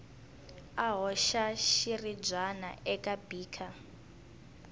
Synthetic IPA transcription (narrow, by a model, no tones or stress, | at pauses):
aɦɔʃaʃirib͡ʐana̰ɛkʼabiːkʰa